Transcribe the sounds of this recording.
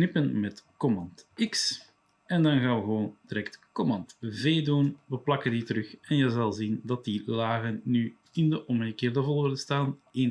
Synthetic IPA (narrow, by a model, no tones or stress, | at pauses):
knɪpənmɛtkɔmɑntɪks | ɛndɑnɣaːʋəɣəʋoːndiɾɛktkɔmɑntveːduːnʋəplɑkənditəɾɵxɛnjəzɑlˠzindɑt̚dilaːɣənːyː | ɪndəʔɔməɣəkeːrdəvɔlˠoːrtəstaːnen